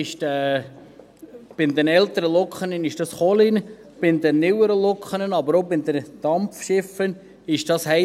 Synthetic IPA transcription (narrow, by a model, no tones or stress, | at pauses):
ɪʃtɛ | b̥ɪnd̪ɛnɛlt̪əɾəlɔkχənənɪʃd̥ɑsχɔlɪn | b̥ɪnd̪ɛnnɪwəɾəlɔkχənənɑbəɾobɪnd̪ənd̥ɑmfʃɪfən | ɪʃd̥ɑshɛ